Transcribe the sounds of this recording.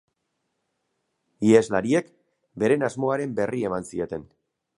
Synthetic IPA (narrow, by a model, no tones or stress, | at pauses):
iezlaɾie̞k | be̞ɾe̞nazmo̞aɾe̞mbe̞rie̞mansio̞t̪e̞n